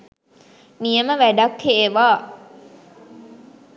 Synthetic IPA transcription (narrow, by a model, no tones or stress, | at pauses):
mijəməʋæɖakheːʋaː